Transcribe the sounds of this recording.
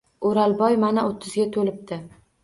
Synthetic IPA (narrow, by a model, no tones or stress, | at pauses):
oɾalˠbɒjmanaot̪ʰːɪzɡʲat̪ʰolɪp̚d̪ɪ